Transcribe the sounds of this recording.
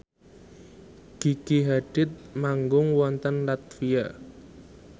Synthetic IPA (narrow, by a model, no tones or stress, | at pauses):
ɡ̥iɡiɦaɖ̥ɪt̪̚maŋɡʊŋwɔnt̪ənlat̪̚fija